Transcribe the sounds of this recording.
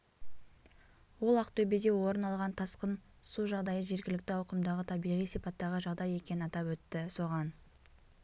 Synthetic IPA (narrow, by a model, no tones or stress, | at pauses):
wo̞lˠɑqt̪ʰɵbed̪e̞wo̞ɾənɑlˠʁɑnt̪ʰɑsqən | suʒɑʁd̪ɑjəʒe̞ɾɡʲɪlɪkt̪ɪɑwqəmd̪ɑʁət̪ʰɑbijʁijsijpɑt̪ːɑʁəʒɑʁd̪ɑje̞kʲe̞nɪnɑt̪ɑpwɵt̪ːɪso̞ʁɑn